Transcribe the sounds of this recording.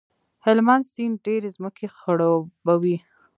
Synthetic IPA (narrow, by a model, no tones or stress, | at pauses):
hɪlmanst̪inɖeɾezməkʰexəɽabawi